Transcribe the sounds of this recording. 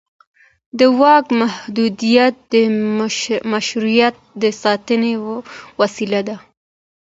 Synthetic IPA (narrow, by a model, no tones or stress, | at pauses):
d̪əwɑkmahd̪ud̪ijat̪̚d̪ə | maʃɾujat̪̚d̪əsɑt̪ənewwasilad̪a